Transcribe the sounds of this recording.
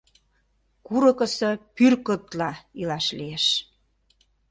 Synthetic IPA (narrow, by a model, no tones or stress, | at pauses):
kuɾɤ̆kə̆sɤpyrkət̪lɑilɑʃlijeʃ